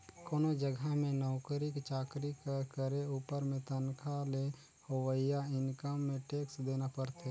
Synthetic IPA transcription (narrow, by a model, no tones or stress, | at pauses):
koːnod͡ʒəɡʱamẽnɔːkəɾɪkt͡ʃaːkɾikkəɾeuːpəɾmẽt̪ənkʰale | howəɪjaɪnkəmːẽʈeːksd̪eːnapəɾt̪e